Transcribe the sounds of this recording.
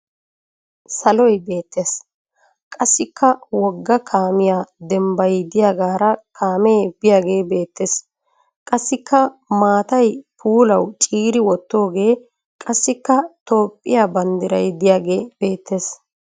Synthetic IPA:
sɐlɔjbe̞ːt̪ːeːs | kʼɐsːɪkːɐwɔɡːɐkʰaːmɪjaːd̪ɛmbɐjd̪ɪjaːɡaːɾɐkʰaːmɛːb̥ɪjaːɡe̞ːbe̞ːt̪ːeːs | kʼɐsːɪkʰːɐmaːt̪ɐjpʰuːlɐwt͡ʃʼiːɾɪwɔt̪ːo̞ːɡe̞ː | kʼɐsːɪkːɐt̪o̞ːpʼːɪjabɐnd̪ɪɾɐ̰jd̪ɪjaːɡe̞ːb̥e̞ːt̪ʰːe̞ːs

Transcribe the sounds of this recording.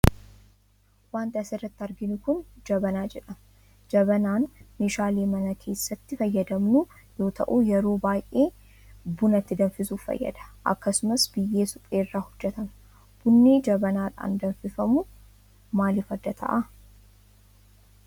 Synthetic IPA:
waːnt̪ɐɐsɪrːɐt̪ːɐɾɡɪnʊkʊnd͡ʒɐbɐnaːd͡ʒɛᶑɐ | d͡ʒɐbɐnaːnmeːʃaːleːmɐnɐkʰe̞ːsːɐt̪ːɪfɐjːɐd̪ɐmnʊ | jo̞ːt̪ɐ̰ʔuːjɛɾo̞ːbaːjʔe̞ː | bʊnɐt̪ːɪd̪ɐnfɪsuːfɐ̰jːɐ̰d̪̥ɐ̥ʔɐ̰kːɐsʊmɐsbɪjːe̞ːsʊpʼeːrːaːhʊd͡ʒːɛt̪ɐm | b̥ʊnːeːd͡ʒɐbɐnaːᶑa̰ːnd̪ɐnfɪfɐmʊ | maːlɪfɐd̪ɐt̪ʰɐ̰ʔɐ

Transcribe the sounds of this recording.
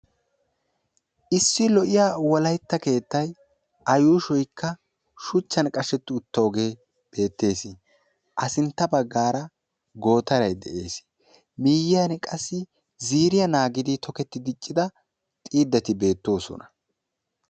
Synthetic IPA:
ʔɪsːɪlɔʔɪjaːwɔlɐjt̪ːɐke̞ːt̪ːɐj | ʔɐjuːʃɔjkʰːɐ | ʃʊt͡ʃːɐnkʼɐʃɛt̪ːɪʊt̪ːɐɔɡe̞ː | b̥e̞ːt̪ːe̞ːsɪ | ʔɐsɪnt̪ːɐbɐɡːaːɾɐ | ɡo̞ːt̪ɐɾɐjd̪ɛʔe̞ːs | miːjɪjɐnkʼɐsːɪ | ziːɾɪjɐnaːɡɪd̪ɪt̪ʰɔkɛt̪ːɪd̪ɪt͡ʃʼːɪd̪ɐ | t̪ʼiːd̪ːɐt̪ɪbe̞ːt̪ːo̞ːsɔ̰nɐ̥

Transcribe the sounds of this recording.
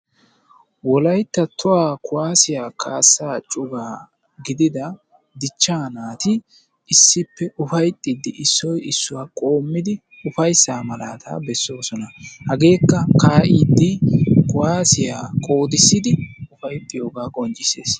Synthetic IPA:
wɔlɐjt̪ːɐt̪ʊwaːkʰʊwaːsɪjaːkʰaːsːaːt͡ʃʼʊɡaː | ɡɪd̪ɪd̪ɐ | d̪ɪt͡ʃːaːnaːt̪ɪ | ɪsːɪpːɛʔʊfɐjt̪ʼːɪd̪ːɪʔɪsːɔjɪsːʊwaːkʼo̞ːmːɪd̪ɪ | ʊfɐjsːaːmɐla̰ːt̪ʰa̰ːbɛsːo̞ːsɔnɐhɐɡe̞ːkːɐkaːʔid̪ːɪkʊwaːsɪja̰ːkʼo̞ːd̪ɪsːɪd̪ɪʊfɐjt̪ʼːɪjo̞ːɡaːkʼɔnt͡ʃʼɪse̞̰ːs

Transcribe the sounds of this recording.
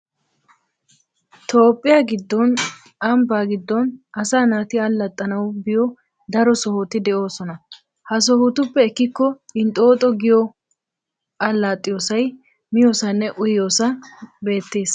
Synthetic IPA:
t̪ʰo̞ːpʼːɪjaːɡɪd̪ːɔn | ɐmbaːɡɪd̪ːɔnɐsaːnaːt̪ɪɐlːɐt̪ʼːɐnɐwbɪjɔ | d̪ɐɾɔsɔhot̪ɪd̪ɛʔo̞ːsɔnɐ | hɐs̬ɔhʊt̪ʊpːɛɛkːɪkːɔɪnt̪ʼo̞ːt̪ʼɔɡɪjɔ | ɐlːaːt̪ʼːɪjoːsɐj | mɪjo̞ːsɐnːɛʔʊjːo̞ːsɐbe̞ːt̪ːe̞ːs

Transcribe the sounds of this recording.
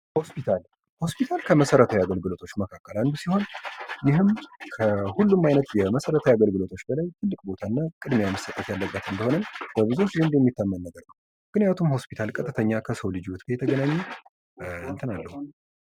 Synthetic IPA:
ho̞spit̪ʰal | ho̞spit̪ʰalkʰəməsəɾət̪ʰajaɡəlɡɨlo̞t̪ʰot͡ʃːməkʰakʼːəland̪usiho̞njɪɦɨmkʰəhulːumːajnət̪jɛməsəɾət̪ʰajaɡəlɡɨlo̞t̪ʰo̞t͡ʃːbəlajt̪ʰɨlːɨkʼbo̞t̪ʰanːakʼɨd̪meaməsət̪ʼːət̪jalːəbʼbət̪ɨnd̪əho̞nənb̥əβɨzo̞t͡ʃːzɨnd̪jɛmːit̪ʰːamːənnəɡəɾnəwə | ɡ̥ɨnjat̪ʰumho̞spit̪ʰalkʼət̪ʼːɨt̪ʰəɲːakʰəsəwlɨd͡ʒiwt̪kʰəjɛt̪ʰəɡənaɲːe | ɨnt̪ʰɨnalːəhu

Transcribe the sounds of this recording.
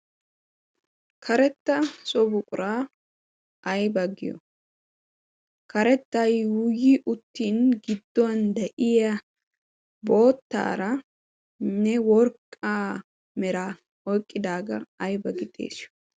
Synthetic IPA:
kʰɐɾɛt̪ːɐsʼɔbʊkʼʊɾaː | ʔɐjbɐɡɪ̰jɔ̰ | kɐɾɛt̪ːɐjwʊjiʔʊt̪ːiːnɡɪd̪̥ːɔɐnd̪ɐʔɪjɐ | bo̞ːt̪ːa̰ːɾɐ | nɛwɔɾkʼːaː | mɛɾaː | ɔjkʼːɪd̪aːɡɐ̰ɐjbɐɡɪt̪ʼḛːs

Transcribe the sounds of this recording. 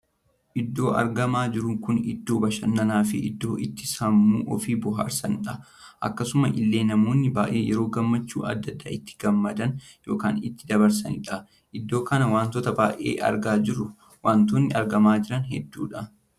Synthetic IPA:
ʔɪd̪ːo̞ːɐ̰ɾɡɐmaːd͡ʒɪɾʊŋkʊnɪd̪ːo̞ːbɐʃɐnːɐnaːfɪɪd̪ːo̞ːʔɪt̪ːɪ̥sɐmːuːʔɔfiːbʊɦa̰ːɾsɐnᶑɐ | ʔɐ̰kːɐsʊmɐʔɪlːe̞ːnɐmo̞ːnːɪbaːʔeːjɛɾo̞ːɡɐmːɐt͡ʃːṵːɐ̰d̪ːɐd̪ːa̰ːɪt̪ːɪ̥ɡ̥ɐmːɐd̪ɐn | jo̞ːka̰ːnɪt̪ːɪd̪ɐbɐɾsɐnɪᶑɐ | ʔɪd̪ːo̞ːkɐnɐwaːnt̪ɔt̪ɐbaːʔḛːʔɐ̰ɾɡaːd͡ʒɪɾʊ | waːnt̪oːnːɪɐɾɡɐmaːd͡ʒɪɾɐnhɛd̪ːuːᶑɐ

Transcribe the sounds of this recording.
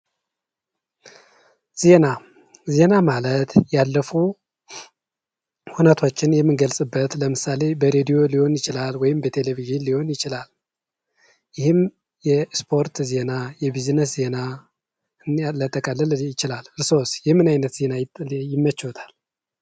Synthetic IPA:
z̥e̞na | ze̞namalət̪jalːəfu | hunət̪ʰot͡ʃːɪnjɛmːɨnɡəlsʼɨbːət̪ləmɨsale̞bəɾed̪ijo̞liho̞njɪt͡ʃɪlalwɔjɪmbət̪ʰe̞leviznliho̞njɪt͡ʃɪlal | jɪhɨm | jɛspʰo̞ɾt̪ze̞najɛbiznəs̬ze̞na | ɨnlət̪ʼːəkʼəlːəljɪt͡ʃɪlalɨɾso̞sjɛhmːɨnajnət̪z̥e̞najɪmːət͡ʃːwɔt̪ʰḁl

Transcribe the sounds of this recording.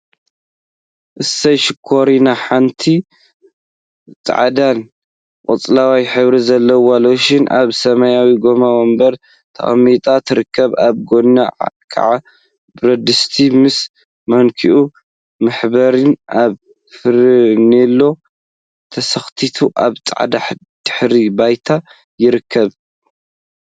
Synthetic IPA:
ʔɨsɐjʃɪkʰːoɾinaħant̪ʰi | t͡sʼʕad̪an | kʼɨ̰t͡sʼlawajħɨβɾizɐlːɐwaloʃɪnʔa̰βsɐmɐjawiɡo̞mawombɐɾ | t̪ʰɐ̰xɐmːit̪ʼat̪ʰɨɾɨkːɐβaβɡonaʕkʰa̰ʕa | bɾɐd̪ɨst̪ʰimɨs | mɐnkʰiʔu | mɨħbɐɾɨnaβ | fɨɾnelːo̞ | t̪ʰɐsɐxt̪ʰit̪ʰuʔaβt͡sʼa̰ʕd̪aħ | d̪̥ɨ̥ħɾibajt̪ʰa | jɪɾɨkʰːɐβ

